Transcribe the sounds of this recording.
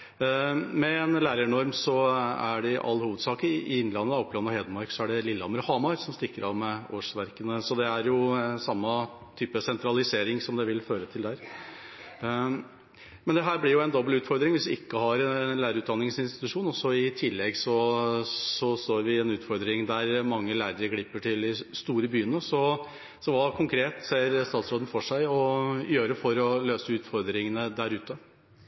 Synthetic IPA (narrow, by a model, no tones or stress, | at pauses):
mɛːnlæːɾəɳɔɾmsɔæ̰ɖɛʔɑ̰lːhuːʋəd̪sɑːkəɪɪnːlɑnːəd̪ɔpːlɑnɔheːd̪əmɑɾksɔæɖɛlɪlːɑməɾhɑːmɑɾsɔmst̪ɪkːəɾɑʋmɛoːʂʋæɾkənəsɔd̪ɛæɾjʊsɑmːə | t̪ʰyːpəsɛnt̪ʰɾɑlɪseːɾɪŋsɔmd̪ɛʋɪlføːɾət̪ʰɪld̪æɾ | mɛnd̪ɛɦæːɾblɪɾjʊɛɪnd̪ɔbəlʉːt̪fɔɾd̪ɾɪŋʋɪsd̪ɪɪkːəɦɑɾɛlæːɾəɾʉːt̪d̪ɑnːɪŋsɪnst̪ɪ̥t̪ʉʂuːnɔsɔɪt̪ʰɪlːɛɡsɔ | sɔst̪oːɾʋɪɛnʉːt̪fɔɾd̪ɾɪŋd̪æɾmɑŋːəlæːɾəɾəɡɽɪpːəʈʰɪld̪ɪst̪uːɾəbyːənəsɔ | sɔʋɑːkʰʊŋkʰɾeːt̪seːɾst̪ɑːt̪sɾoːd̪n̩fɔʂæɪɔjøːɾəfɔɾɔløːsəʉːt̪fɔɾd̪ɾɪŋənəd̪æɾʉːt̪ə